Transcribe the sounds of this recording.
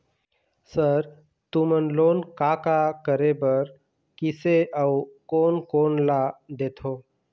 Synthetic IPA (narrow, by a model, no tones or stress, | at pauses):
səɾ | t̪umənlonkakakəɾebəɾ | kiseʔawkonkonlad̪et̪ʰo